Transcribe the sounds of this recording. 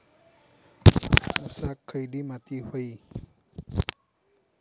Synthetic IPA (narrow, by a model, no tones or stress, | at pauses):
usakʰːəjdimat̪ihoj